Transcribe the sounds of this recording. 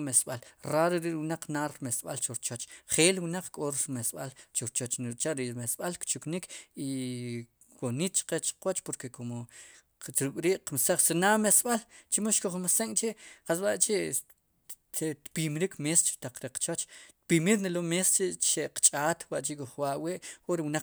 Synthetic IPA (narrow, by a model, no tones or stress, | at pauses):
mesɓalɾaɾeɾiʔwnaq͡χnaɾɾmesɓa̰lt͡ʃoɾt͡ʃot͡ʃχeːlwinaq͡χkʼoɾɾmesɓalt͡ʃoɾt͡ʃot͡ʃnt͡ʃaʔɾiʔɾmesɓalkt͡ʃuknikʰi | wonit̪̚t͡ʃqet͡ʃqwat͡ʃpoɾkekomo | ɾukʼɾiːʔqmsaχsinamesɓalt͡ʃimoʃkoχmaseŋʼt͡ʃeʔχas̬waʔt͡ʃeʔ | et̪pimɾikmeːst͡ʃi̥t̪aq͡χɾeqt͡ʃot͡ʃt̪pimiɾnelomest͡ʃeʔʃeʔqt͡ʃʼaːt̪waʔt͡ʃiʔkoχwaʔweʔoɾiwna